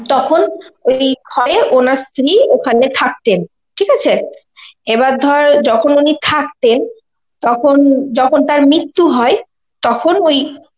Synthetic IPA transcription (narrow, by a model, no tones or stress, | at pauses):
t̪ɔkʰonojɡʰʱɔɾeʔonaɾst̪ʰɾiokʰanet̪ʰak̚t̪en | ʈʰikat͡ɕʰe | ebaɾd̪ʱɔɾd͡ʑɔkʰonunit̪ʰak̚t̪en | t̪ɔkʰond͡ʑɔkʰont̪aɾmit̪ːuɦɔe | t̪ɔkʰonoj